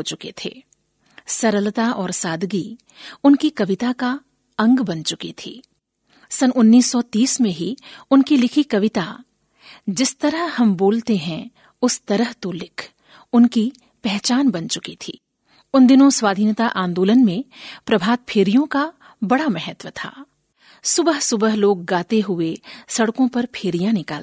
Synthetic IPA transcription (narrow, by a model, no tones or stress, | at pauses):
ot͡ʃʊkḛt̪ʰḛː | sɐɾəlt̪aʔɔːɾsaːd̪ɡi | ʊnkikɐʋɪt̪aka | ɐ̃ŋɡbɐnt͡ʃʊkit̪ʰḭː | sɐnʔʊnːiːsːɔt̪iːsmẽɦiʊnkilɪkʰikɐʋɪt̪a | d͡ʒɪst̪ɐɾəɦhɐmboːlt̪eɦɛ̃ | ʊst̪ɐɾəɦt̪olɪkʰ | ʊnki | pɛɦt͡ʃaːnbɐnt͡ʃʊkit̪ʰiː | ʊnd̪ɪnõswaːd̪ʱiːnt̪aʔãːnd̪oːlənmẽpɾɐbʱaːt̪̚pʰeːɾijõka | bɐɽamɛɦət̪wət̪ʰa̰ː | sʊbəɦsʊbəɦloːɡ̚ːaːt̪eɦʊesɐɽkõpɐɾpʰeːɾijãnɪkaːl